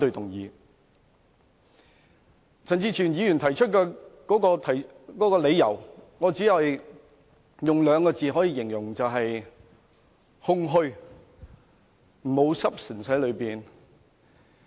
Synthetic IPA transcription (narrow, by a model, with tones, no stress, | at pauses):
t̪ɵ˧t̪ʊ˨˩ŋjiː˨˧ | t͡sʰɐ˨˩nt͡siː˧t͡ʃʰyː˨˩njiː˨˧jy˨˩nt̪ʰɐ˨˩jt͡ʃʰɵ˥t̚kɛː˧kɔː˨˥kɔː˧t̪ʰɐ˨˩j | kɔː˨˥kɔː˧le˨˧jjɐ˨˩wŋɔː˨˧t͡siː˨˥jɐ˨j | jʊ˨ŋlœː˨˧ŋkɔː˧t͡siː˨ɦɔː˨˥jiː˧jɪ˨˩ŋjʊ˨˩ŋt͡sɐ˨wɦɐ˨j | hʊ˧ŋɦɵ˧ɥ | m̩˨˩ho˨˧wsɐ˥p̚sɪ˨˩nsɐ˨˥lɵ˨˧ɥpiː˨n